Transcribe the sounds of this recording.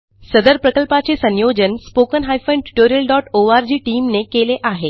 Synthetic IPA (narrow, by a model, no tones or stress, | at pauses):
səd̪əɾpɾəkəlpat͡sesənjod͡ʑənspokənɦajfəɳʈu̥ʈoɾiəlɖɔʈoʋaɾd͡ʑiːʈiːmnekeleʔaɦe